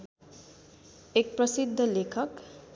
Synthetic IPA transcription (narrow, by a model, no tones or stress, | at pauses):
ek̚prʌsid̪ʱːʌlekʰʌk